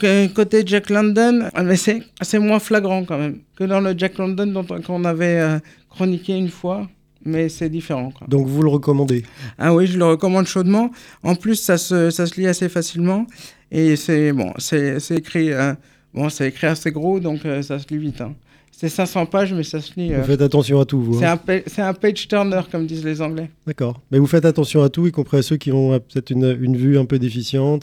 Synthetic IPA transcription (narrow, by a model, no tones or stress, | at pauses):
kkot̪ed͡ʒaklɑ̃d̪ɔnmɛsɛsɛmwɛ̃flaɡʁɑ̃kɑ̃mɛmkəd̪ɑ̃ləd͡ʒaklɑ̃d̪ɔnd̪ɔ̃t̪kɔ̃navɛø | kχɔnikʲeynfwa | mɛsɛd̪ifeʁɑ̃kwa̰d̪ɔ̃kvuləʁəkɔmɑ̃d̪ea̰wiʒələʁəkɔmɑ̃d̪ʃod̪mɑ̃ɑ̃plysːasəsasəliasefasilmɑ̃ | esɛbɔ̰̃sɛsɛekχiø | bɔ̃sɛekχiaseɡʁod̪ɔ̃køsasəlivit̪ɛ̰̃ | sɛsɛ̃sɑ̃paʒmɛsasəliøvufɛt̪at̪ɑ̃sjɔ̃at̪uvwaɛɛ̃pɛsɛt̪ɛ̃pɛt͡ʃt̪ɛʁnœʁkɔmd̪izlezɑ̃ɡlɛd̪̥akɔːʁmɛvufɛt̪at̪ɑ̃sjɔ̃at̪uikɔ̃pχiasøkʲiɔ̃pø̥t̪ɛt̪χynynvyɛ̃pød̪efisjɑ̃t̪